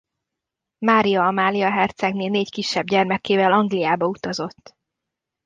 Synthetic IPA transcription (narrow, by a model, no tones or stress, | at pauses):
maːɾijɒmaːlijɒɦɛrt̪sɛɡneːlneːckiʃːɛbɟɛrmɛkeːvɛlɒŋɡlijaːbɒut̪ɒzo̞t̪ː